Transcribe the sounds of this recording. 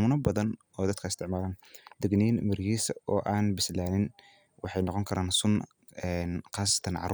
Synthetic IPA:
mʊnɐbɐðɐn | ɔːd̪ɐd̪kʰɐɪst̪ʰɪʕmaːlaːnd̪̥ɛɡniːnmɪrjiːsɐɔːʔaːnbɪslaːnɪn | wɑħɑjnɔqɔŋkʰɐɾʔaːnsʊn | ɛnqɑːsɐ̥t̪ʰɐnʕɑ̰r

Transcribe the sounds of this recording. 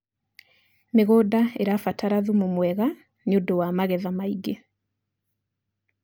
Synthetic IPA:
meɣodaeɾafataɾaðumomwɛɣa | neodowamaɣɛðamaiɡe

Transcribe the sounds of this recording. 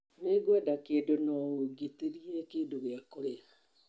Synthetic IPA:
neɡwɛdakeːdonɔoɡeteɾiɛkeːndoɣeakoɾea

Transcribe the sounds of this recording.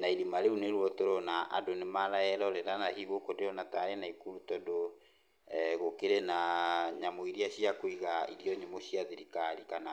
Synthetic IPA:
naiɾimaɾeuneɾwɔtoɾɔnaʔa̰donemaɾaɛɾɔɾɛɾanahiβokodeɔnataɾenaikuɾutɔdo | ɣokeɾenaɲamoiɾiaɕijakoiɣaiɾijɔɲemoɕiaðiɾikaɾikana

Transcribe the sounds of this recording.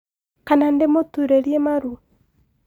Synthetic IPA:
kanandemotuɾeɾiemaɾua

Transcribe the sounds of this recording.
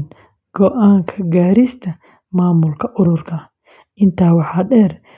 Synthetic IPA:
n | ɡ̥ɔʔaːŋkʰɐɡaːɾɪst̪ʰɐ | maːmʊlkʰɐʔʊɾʊrkʰɐ | ʔɪnt̪ʰaːwɑħɑːɖɛːr

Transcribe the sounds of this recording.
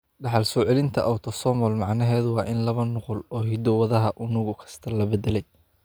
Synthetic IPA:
ɖɑħɑlsɔːʕɛlɪnt̪ʰɐʔawt̪ʰɔsɔːmɔlmɑʕnɐɦɛːðʊwɑːʔɪnlɐβɐnʊqʊlɔːɦɪd̪ɔwɐðɐɦɐʔʊnʊɣʊkʰɐ̥st̪ʰɐlɐbɛd̪ɛlɛj

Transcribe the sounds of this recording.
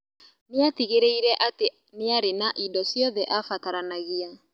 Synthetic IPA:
neatiɣeɾeiɾɛʔate | neaɾenaʔidɔsjɔðɛʔafataɾanaɣia

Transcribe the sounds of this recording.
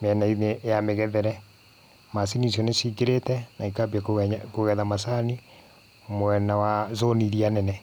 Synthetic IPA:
mɛnainejamɛɣɛðɛɾɛ | masinis̬jɔnesiːɡeɾetɛnaikaβjakoɣɛðamasani | mwɛnawazoniɾianɛnɛ

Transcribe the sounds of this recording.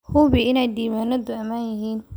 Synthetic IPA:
hʊβiʔɪnɛjd̪iːmaːnɐd̪ʊɐmaːnjɐɦiːn

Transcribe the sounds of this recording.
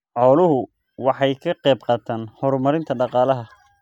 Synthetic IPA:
ʕɔːlʊɦʊ | wɑħɑjkʰɐqɛːb̚qɑːt̪ʰaːnhɔɾmɐɾɪnt̪ʰɐɖɑqɑːlɐɦɐ

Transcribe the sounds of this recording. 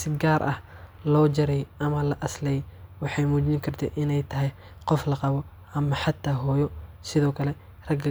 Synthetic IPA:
sɪɡaːɾʔɐ̰hlɔːt͡ʃɐɾɛjʔɐmɐlɐʔɐslɛjwɑħɑjmuːt͡ʃɪŋkʰɐrt̪ʰɛ̰ʔɪnɛjt̪ʰɐɦɛj | qɔflɐqɑβɔ | ʔɐmɐħɑt̪ʰːaːɦɔːjɔsɪðɔːkʰɐlɛ | rɐɡ

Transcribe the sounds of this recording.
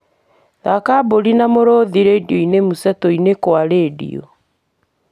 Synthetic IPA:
ðakaboɾinamoɾoðiɾedioinemusɛtɔinekwaɾeːdḭo̰

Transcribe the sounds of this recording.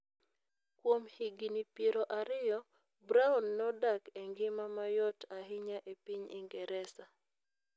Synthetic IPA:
kwomhiɡinipjeɾɔʔaɾɪjɔ | bɾaunːɔdakɛŋɡɪmamajɔtʰaɦɪɲaʔepiɲɪ̰ŋɡɛɾɛsa

